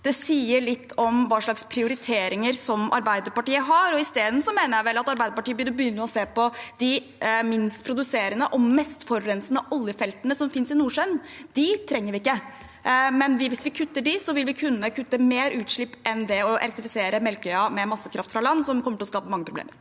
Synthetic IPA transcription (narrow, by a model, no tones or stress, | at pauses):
d̪̥ɛsiːəɭɪt̪ʰːɔmʋɑːʂɭɑkspʰɾɪʊɾɪt̪ʰeːɾɪŋəɾsɔmɑ̰ɾbæɪd̪əɾpɑʈiːəɦɑɾɔɪst̪eːd̪n̩sɔmeːnəɾjæɪʋɛlːɑt̪ɑɾbæɪd̪əpɑʈiːəbɪd̪bəjʏnːnəɔseːpɔd̪̥ɪ | mɪnst̪pʰɾʊd̪ʉseːɾənəʔɔmɛst̪fɔɾːɛnsənəʔɔljəfɛlt̪ənəsɔmfɪnsɪnuːʂœnd̪̥ɪt̪ʰɾɛŋːəɾʋɪɪkːə | mɛnʋɪʋɪsʋɪkʰʉt̪ːəɖɪsɔʋɪlʋɪkʰʉnːəkʰʉt̪ːəmeːɾʉːt̪ʂɭɪpːʔɛnd̪ɛɔʔɛ̰ɾɛkt̪ɪfɪseːɾəmɛlkœʏɑmɛmɑsːəkʰɾʔɑft̪fɾɑlɑnːsɔmkʰɔmːəʈɪlɔskɑːpəmɑŋːəpʰɾʊb̪ḛːməɾ